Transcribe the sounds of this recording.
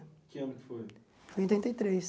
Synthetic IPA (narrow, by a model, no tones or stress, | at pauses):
kiɐnukfoj | foj̃t̪ɾĩnt̪ɐjt̪ɾes